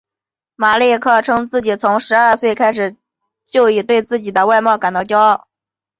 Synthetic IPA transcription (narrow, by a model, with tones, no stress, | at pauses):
ma˨˩li˥˧kʰɤ˥˩ʈ͡ʂʰɤ˥ŋt͡sɹ̩˥˩t͡ɕi˨˩t͡sʰʊ˧˥ŋʂɻ̩˧˥a˞˥˧swe˥˩ɪkʰa˥ɪʂ̬ɻ̩˨˩ | t͡ɕjo˥˧ʊi˨˥˩t̪we˥˧ɪt͡sɹ̩˥˩t͡ɕi˨˩d̪ə˦wa˥˧ɪmɑ˥˩ʊka˨˩nt̪ɑ˥˧ʊt͡ɕjɑ˥ʊ˥˩